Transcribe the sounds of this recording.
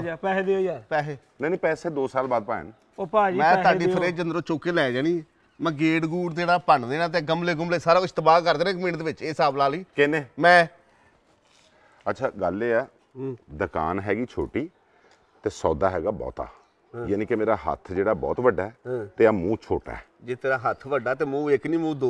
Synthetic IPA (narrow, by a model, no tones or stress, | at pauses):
pɛːd̪iopɛːseː | nɛ̃ːnĩːpɛːseːd̪oːsaːlbaːd̪̚paːḛn | oamɛ̃ːaːɖiːpʰəɾeːd͡ʒənd̪ɾõːt͡ʃoːkeːlɛːd͡ʒaːniː | mɛ̃ːɡeːɖɡuːɾt̪eːɽaːpəɳd̪eːnãːt̪̬eːɡəmleːɡəmleːsaːɾaːɪst̪əbaːkəɾd̪eːnãːkmĩnd̪eːʋɪt͡ʃeːsaːblaːliːkɪnẽːmɛ̃ː | ətːʃʰaːɡəlːeːɛː | d̪əka̰ːnɦɛːɡiːt͡ʃʰoːʈiː | t̪eːsɔːd̪aːɦɛːɡaːbɔ̰ːt̪a̰ː | jaːniːkɪmeːɾaːɦə̰t̪ʰd͡ʒeːɽaːbɔ̰ːt̪ʋəɖaːɛːt̪eːaːmũːt͡ʃʰoːʈa̰ːɛ̰ːd͡ʒeːt̪eːɾaːɦət̪ʰʋəɖaːt̪̬eːmũːɪknĩːmũːd̪o